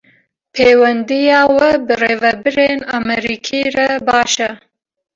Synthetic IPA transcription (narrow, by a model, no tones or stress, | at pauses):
pʰeːwɛnd̪ijɑːwɐbɨreːvɛbɨɾeːnamɛɾiːkʰiːɾɐbɑːʃɐ